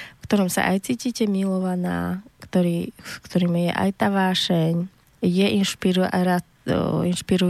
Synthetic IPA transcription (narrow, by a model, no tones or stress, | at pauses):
fkt̪ɔɾɔmsa̰ʔajt͡siːciːcɛmilɔʋana̰ːkt̪ɔɾiːskt̪ɔɾiːmijɛ̰ʔa̰jt̪aʋaːʃɛɲ | jɛʔinʃpiɾuɾat | inʃpiɾu